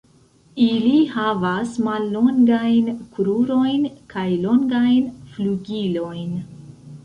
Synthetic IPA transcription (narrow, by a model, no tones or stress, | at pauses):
ilihavasmalːo̞ŋɡajnkuɾuɾo̞jnkʰajlo̞ŋɡajnfluɡilo̞jn